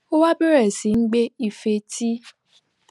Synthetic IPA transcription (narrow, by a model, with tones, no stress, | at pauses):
o˦wa˦be˦ɾe˨si˨ŋ͡m̩˦ɡ͡be˦i˨fe˨ti˦